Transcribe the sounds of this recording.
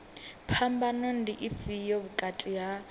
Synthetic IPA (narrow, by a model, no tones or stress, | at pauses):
pʰambanɔn̩diʔifijɔβukʼatʼija